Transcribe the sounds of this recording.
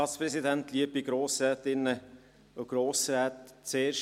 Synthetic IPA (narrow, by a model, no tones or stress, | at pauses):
ɑːtspɾɛsidɛnt̪liəpiɡ̥ɾoːsɾɛːt̪ɪnːə | oɡ̥ɾoːsɾɛːt̪t͡seːɾʃ